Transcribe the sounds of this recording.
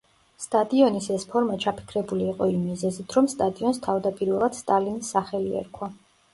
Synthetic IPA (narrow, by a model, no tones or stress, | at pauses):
st̪ʼad̪iɔnisɛspʰɔɾmat͡ʃʰapʰi̥kʰɾɛbuliːqʼɔimːizɛzit̪ʰɾɔmst̪ʼad̪iɔnst̪ʰavd̪apʼiɾvɛlˠad̪̥st̪ʼalinisːaχɛliɛ̰ɾkʰwa